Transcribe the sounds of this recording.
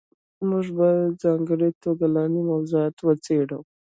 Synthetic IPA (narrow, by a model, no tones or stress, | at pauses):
mʊʐbad͡zɑŋɡəɽit̪oɡalɑnimawzuat̪wət͡seɽəw